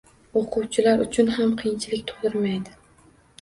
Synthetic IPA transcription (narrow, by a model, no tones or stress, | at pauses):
oqʰʊwt͡ʃʰɪlaɾʊt͡ʃʰʊnɦamqʰɨjnt͡ʃʰɪlɪkʲt̪ʰo̥lɪɾmajd̪ɪ